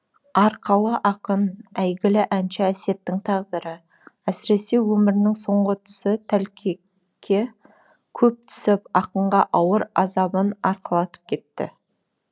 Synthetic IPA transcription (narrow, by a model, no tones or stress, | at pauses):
ɑɾqəlˠəʔɑqənæjɡʲɪlɪʔænʃɪæse̞p̚t̪ɪŋt̪ʰɑʁd̪əɾə | æsɪɾe̞se̞wɵmɪɾɪnɪŋso̞ɴʁət̪ʰʏ̥sɪt̪ʰælkʲʰe | kʲʰe̞ | kʲʰɵp̚t̪ʰʏ̥sɪpɑqəɴʁɑʔɑwəɾɑzɑbənɑɾqəlˠɑt̪ə̥p̚kʲʰe̞t̪ːɪ̰